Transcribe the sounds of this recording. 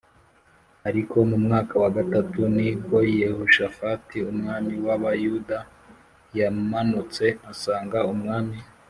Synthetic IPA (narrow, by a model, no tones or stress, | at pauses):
aɾikʰo̞mumŋaːkawaɡatatuniɡwo̞ijehuʃafatiumŋaːmiwaβajuda | jamanut͡se̞asaːŋɡaumŋaːmi